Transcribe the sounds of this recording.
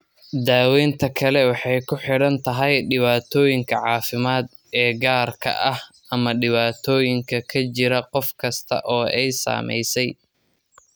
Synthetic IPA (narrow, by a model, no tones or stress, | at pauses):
d̪aːwɛːnt̪ʰɐkʰɐlɛwɑħɑjkʰʊħɪɽɐnt̪ʰɐɦɐjɖɪβaːt̪ʰɔːjɪŋkʰɐʕɑːfɪmaːd̪ | ɛːɡaːrkʰɐ̰ʔɐh | ɐmɐɖɪβaːt̪ʰɔːjɪŋkʰɐkʰɐt͡ʃɪɾɐqɔfkʰɐst̪ʰɐ̰ʔɔːʔɛjsa̰ːmɛ̰jsɛj